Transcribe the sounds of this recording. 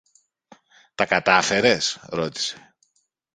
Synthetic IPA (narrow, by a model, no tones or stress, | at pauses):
t̪ɐkɐt̪ɐfe̞ɾe̞sɾo̞t̪i̥se̥